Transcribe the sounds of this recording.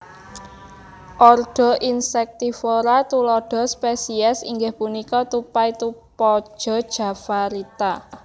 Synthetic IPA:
ʔɔrɖ̥ɔ̤ʔinsɛk̚t̪ifɔɾat̪ulɔɖ̥ɔ̤spesiɛsḭŋɡɪhpunikɔt̪upajt̪upɔ̥ʒ̥ɔ̤d̥ʒ̥ä̤faɾit̪a

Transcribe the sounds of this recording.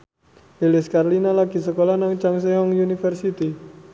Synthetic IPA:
elɪskarlinalaɡ̥i̤səkolanaŋt͡ʃaŋs̬eɔŋjunifərsit̪i

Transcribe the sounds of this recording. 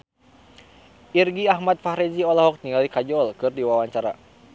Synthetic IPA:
irɡiaɦmat̪̚fahɾɛd͡ʒiɔlaɦɔk̚niŋalikad͡ʒɔlkɨrdiwawaɲt͡ʃaɾa̰

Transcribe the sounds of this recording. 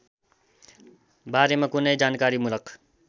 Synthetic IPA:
baːɾemɐkuned͡ʒaːnkaːɾimʊləq

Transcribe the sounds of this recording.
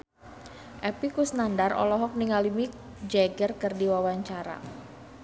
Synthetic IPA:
ʔɛpikusnandarɔ̰lɔɦɔk̚niŋalimi | d͡ʒɛɡərkərdiwawaɲt͡ʃaɾa̰

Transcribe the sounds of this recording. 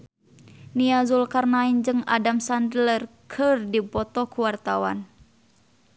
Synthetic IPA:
niazulkarnaind͡ʒɨŋa̰damsandlərkʰɨrdipɔt̪ɔkuwart̪awa̰n

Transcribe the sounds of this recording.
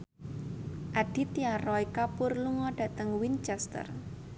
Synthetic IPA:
ʔaɖ̥i̤t̪iaɾɔikapʊrluŋɔɖ̥a̤t̪əŋwint͡ʃɛst̪ə̰r

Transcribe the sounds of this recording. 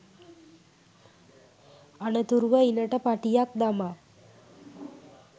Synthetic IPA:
anət̪uɾuʋəinəʈəpaʈijak̚d̪ama

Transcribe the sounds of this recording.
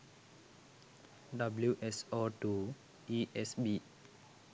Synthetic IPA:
ɖʌbljuʔesoːʈuː | iʔesbiː

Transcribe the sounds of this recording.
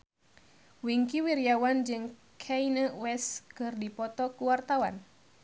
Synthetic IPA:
wiŋkiwiɾijawand͡ʒɨŋ | kʰɛinəwɛskɨrdipɔt̪ɔkuwart̪awan

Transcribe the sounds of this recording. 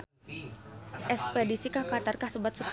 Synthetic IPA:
ʔɛspedisikahkat̪arkahsəbat̪̚suk̚

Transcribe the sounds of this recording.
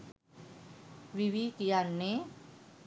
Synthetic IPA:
wiwikijanːe

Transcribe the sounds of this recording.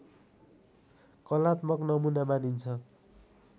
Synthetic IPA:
kʌlat̪mʌknʌmunamanint͡sʰʌ

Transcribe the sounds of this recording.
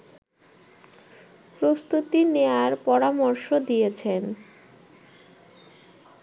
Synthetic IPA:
pɾost̪ut̪ineaɾpɔɾamoɾʃod̪ijet͡ɕʰen

